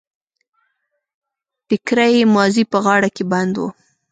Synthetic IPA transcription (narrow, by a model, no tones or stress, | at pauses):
fɪkɾajemɑzipəɣɑɽakeband̪wo̰